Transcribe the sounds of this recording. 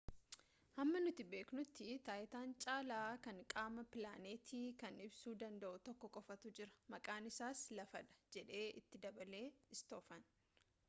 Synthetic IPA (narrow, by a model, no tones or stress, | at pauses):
hɐmːɐnʊt̪ɪbeːknʊt̪ːɪt̪aːʔɪt̪aːnt͡ʃʼaːlaːkɐŋkʼaːmɐpɪlaːne̞ːt̪ʰiːkɐnɪbsuːd̪ɐnd̪ɐʔʊt̪ɔkːɔkʼɔfɐt̪ud͡ʒɪɾɐ̥mɐkʼaːnɪsaːslɐfɐᶑɐ̥d͡ʒɛᶑe̞ːʔɪt̪ːɪd̪ɐbɐle̞ːɪst̪o̞ːfɐn